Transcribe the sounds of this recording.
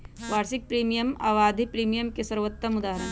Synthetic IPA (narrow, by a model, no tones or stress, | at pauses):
ʋaːɾsɪk̚pɾiːmijəma̰ːʋaːd̪ʱipɾiːmijəmkesɐɾʋət̪ːɐmʊd̪aːɦəɾən